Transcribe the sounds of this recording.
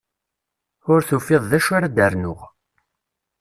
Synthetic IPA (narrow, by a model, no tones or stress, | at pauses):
ʊɾθufɪðˤðæʃaɾad̪əɾnʊʁ